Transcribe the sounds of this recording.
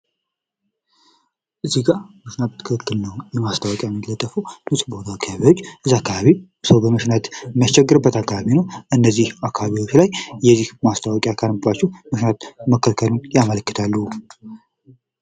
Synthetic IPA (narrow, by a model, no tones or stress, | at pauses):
ʔɨziɡaməʃnat̪̚ʰːɨkʰkɨkːɨlnəwjɛmast̪ʰawɔkʼjajɛmːillːət̪ʼːəfəwmɨsʼbot̪ʰaːkʰːaβaβiwo̞t͡ʃːʔɨzakːaβaβi | səwbəməʃnat̪mijast͡ʃːɛɡːɨɾɨbːət̪akːaβaβinəwʔɨnːəzːihakʰːaβaβiwo̞t͡ʃːlajjɛzːihmast̪ʰawɔkʼjakʰaɾbat͡ʃːɛhməʃnat̪məkʰːəlkʰəlunjamələkːɨt̪ʰalːu